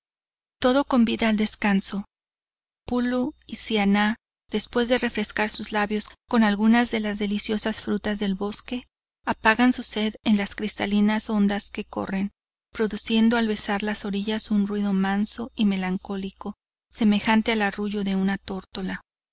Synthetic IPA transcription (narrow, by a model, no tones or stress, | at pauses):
t̪o̞ðo̞ko̞mbiðaːld̪e̞skanso̞ | puluisiana | ð̥e̞spwe̞zðe̞re̞fɾe̞skaɾsuzlaβjo̞sko̞nalɣunazðe̞lazðe̞lisjo̞sasfɾut̪azðe̞lβo̞ske̞ | apaɣansuse̞ðenlaskɾist̪alinaso̞nd̪aske̞ko̞̰re̞n | pɾo̞ðusje̞nd̪oalβe̞saɾlaso̞ɾiʝasunrwiðo̞manso̞ime̞laŋko̞liko̞ | se̞me̞xant̪e̞alaruʝoðe̞unat̪o̞ɾt̪o̞la